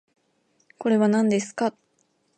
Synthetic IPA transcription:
ko̞ɾe̞βanãnd̪e̞sɨ̥ka

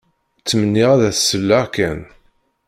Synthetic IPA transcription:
t͡sːəmənːiʁaðæθsːəlːaʁkæn

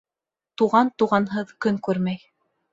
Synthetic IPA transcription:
t̪uʁɑnt̪uʁɑnɦɤðkɵŋkʉɾmæj

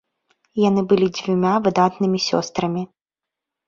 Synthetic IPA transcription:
janɨbɨlʲid͡zʲvʲumʲavɨd̪at̪nɨmʲisʲɔ̰st̪ɾɐmʲi

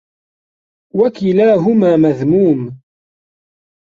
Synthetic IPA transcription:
wækilaːɦʊmaːməðmuːm

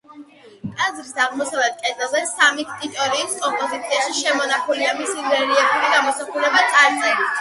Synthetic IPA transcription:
kʼazɾisaʁmɔsavlɛt̪̚ʰkʼɛd̪ɛlˠzɛsamit̪ʰt̪ʼit̪ʼɔɾiːskʼɔmpʼɔzit̪sʰiaʃiʃɛmɔnaχuliamisiɡɛɾiɛbuɾiɡamɔsaχuɾɛbat̪ʼʰaɾzɛ

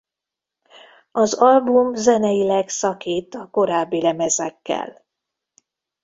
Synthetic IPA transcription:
ɒzɒlbumzɛnɛjilɛksɒkiːt̪ɒko̞ɾaːbːilɛmɛzɛkːɛ̰l

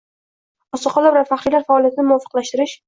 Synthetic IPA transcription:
ɒsɒqʰɒlˠabɾaɾfaχɾilaɾfaːlijat̪ʰɪnɪmʊɒfɨ̥qlaʃt̪ɪɾɪʃ

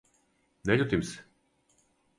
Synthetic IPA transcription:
nɛʎʲut̪ims

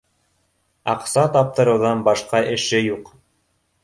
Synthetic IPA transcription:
ɑ̰qsɑt̪ɑp̚t̪ɤ̆ɾɤ̆wðɑnbɑʃqɑʔɘ̆ʃɘjuq

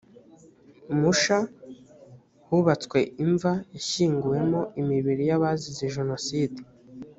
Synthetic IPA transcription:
muʃa | huβat͡skwe̞iɱvajaʃiːŋɡuje̞mo̞imiβiɾijaβazizeʒe̞no̞siːdi

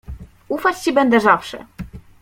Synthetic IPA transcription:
ufat͡ɕt͡ɕibɛnd̪ɛzafʂɛ̰

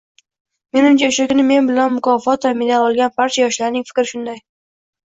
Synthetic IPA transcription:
me̞nʊmt͡ʃʰaʊʃakʊnɪme̞nbɪlanmʊkʰɒfɒt̪vamɪnaɒlˠɡʲanbaɾt͡ʃʰajɒʃlaɾnɪŋfɪ̥kʲɾɪʃʊnd̪aj

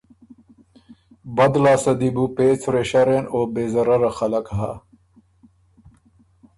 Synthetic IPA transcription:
bɐd̪laːsɐd̪ibupeːt͡sɾeɕaɾenoːbeːzɐɾɐɾaxɐlɐkɦa̰

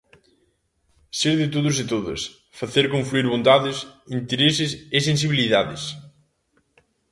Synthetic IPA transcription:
seɾðɪt̪oðʊs̬et̪oðɐ̰s | faθeɾkõɱfluiɾβont̪aðɪsint̪eɾesɪsesensiβiliðaðɪs

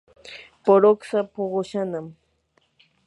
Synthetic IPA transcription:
poɾoksapoɢoʃanam

